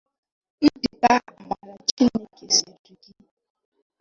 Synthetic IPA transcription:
di˨ka˦˨ma˨ɾa˨t͡ʃi˦ne˦ke˨se˨di˨ɡi˦

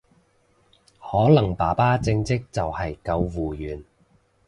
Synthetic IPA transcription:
hɔː˨˥lɐ˨˩ŋpaː˨˩paː˥t͡sɪ˧ŋt͡sɪ˥k̚t͡sɐ˨whɐ˨jkɐ˧wwuː˨jyː˨˩n

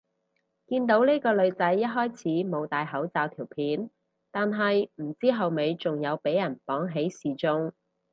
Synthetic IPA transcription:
kiː˧nt̪o˨˥wniː˥kɔː˧lɵ˨˧ɥt͡sɐ˨˥jːɐ˥t̚ɦɔː˥jt͡sʰiː˨˥mo˨˧wt̪aː˨jɦɐ˨˥wt͡saː˧wt̪ʰiː˨˩wpʰiː˨˥n | t̪aː˨nɦɐ˨jm̩˨˩t͡siː˥ɦɐ˨wme˨˧jt͡sʊ˨ŋjɐ˨˧wpe˨˥jɐ˨˩npɔː˨˥ŋɦe˨˥jsiː˨˩t͡sʊ˥ŋ

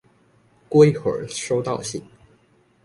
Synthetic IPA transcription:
kwe˥ɪxə̰˨˥ʂo˥ʊt̪ɑ˥˧ʊɕḭ˥˩ŋ

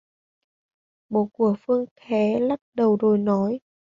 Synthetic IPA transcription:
ɓo˧˨˦ku˧˩əfɨ˧əŋt̪ʰɛ˨˦la˦˥t̚ɗə˨˩wzo˨˩jnɔ˨˦j

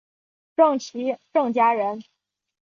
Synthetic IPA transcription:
ʈ͡ʂɤ˥˩ŋt͡ɕʰi˧˥ʈ͡ʂɤ˥˩ŋt͡ɕja˥ɻə˧˥n

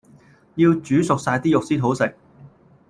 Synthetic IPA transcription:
jiː˧wt͡ʃyː˨˥sʊ˨k̚saː˧jt̪iː˥jʊ˨k̚siː˥t̪ʰo˨˥wsɪ˨k̚

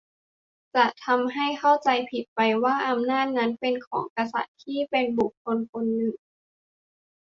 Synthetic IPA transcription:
t͡ɕa˨˩t̪ʰa˧mɦa˥˩jxʰa˥˩wt͡ɕa˧jpʰi˨˩t̪̚pa˧jwaː˥˩ʔa˧mnaː˥˩t̪̚na˦˥npe˧nkʰɔ̰ː˩˦ŋka˧sa̰˨˩t̪̚ʰːiː˥˩pe˧nbu˨˩k̚ʰːo˧nkʰo˧nːɯ˨˩ŋ

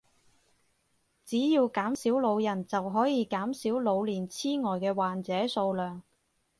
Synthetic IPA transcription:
t͡siː˨˥jiː˧wkaː˨˥msiː˨˥wlo˨˧wjɐ˨˩nt͡sɐ˨wɦɔː˨˥jiː˨˧kaː˨˥msiː˨˥wlo˨˧wliː˨˩nt͡sʰiː˥ŋɔː˨˩jkɛː˧waː˨nt͡sɛː˨˥so˧wlœː˨˩ŋ

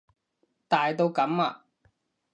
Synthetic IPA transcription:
t̪aː˨jt̪o˧wkɐ˨˥ma̰ː˧˨

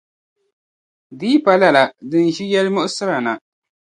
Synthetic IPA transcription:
diː˦pa˨la˦la˨dɨ˨n˨ʒi˦jɛ˦lmʊ˦ʔʊ˦sɨ˦ɾa˨na˨

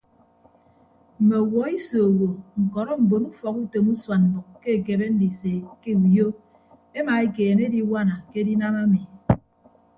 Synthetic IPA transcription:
m̩˨me˨wɔ˨˦i˦so˨wo˨ŋ̩˨kɔ˨ɾɔ˦m̩˨bo˨nu˦fɔ˨ku˦to˨mu˦swa˨nm̩˨bʊ˨kke˦e˨ke˨be˦n̩˦di˨se˨ke˦u˨jo˦ | e˦ma˨e˦keː˨ne˦di˦wa˦na˨ke˦di˦na˦ma˦mi˨

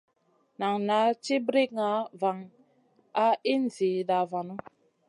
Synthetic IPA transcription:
na˨ŋna˨˦t͡ʃi˦bɾi˦kŋa˨˦va˨ŋ | a˦i˦n̩˨zi˨da˨va˨nu˦

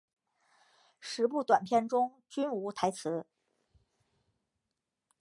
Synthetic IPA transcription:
ʂɻ̩˧˥p̬u˥˩t̪wa˨˩npʰjɛ˥˩nʈ͡ʂʊ˥ŋ | t͡ɕy˥nu˧˥t̪ʰa˧˥ɪt͡sʰɹ̩˧˥

